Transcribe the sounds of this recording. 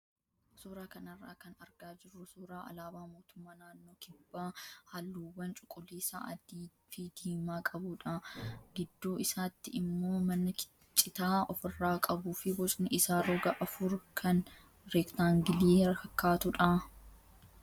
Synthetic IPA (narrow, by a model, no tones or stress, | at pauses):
suːɾaːkɐnɐrːaːkɐnɐɾɡaːd͡ʒɪrːʊsuːɾaːɐ̰laːbaːmo̞ːt̪ʊmːaːnaːnːoːkɪbːaːhɐlːuːwːɐnt͡ʃʼʊ̥kʼːʊliːsa̰ʔɐ̰d̪iː | fɪd̪̥iːmaːkʼɐbuːᶑɐɡɪd̪ːoːɪsaːt̪ːɪɪmːo̞ːmɐnːɐkɪ̥ | t͡ʃʼːɪt̪aːɔfɪrːaːkʼɐbuːfɪwɔt͡ʃʼnɪʔɪsaːɾoːɡɐʔɐfʊɾkʰɐn | ɾekt̪aːŋɡɪliːhɐkːaːt̪ʊᶑɐ